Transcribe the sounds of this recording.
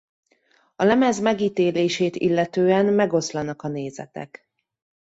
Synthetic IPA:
ɒlɛmɛzmɛɡiːt̪eːleːʃeːt̪ḭlːɛt̪øːɛnmɛɡo̞slɒnɒkɒneːzɛ̰t̪ɛ̰k

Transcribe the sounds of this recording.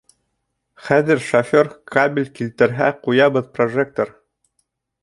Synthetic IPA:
χæðɘɾʃofʲorkʰabʲɪlʲkilt̪ɘ̆ɾɦæqujɑβɤðproʐek̚t̪oɾ

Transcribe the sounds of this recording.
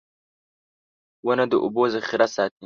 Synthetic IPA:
wənad̪əʔʊ̰bozaxɪɾasɑːt̪̚i

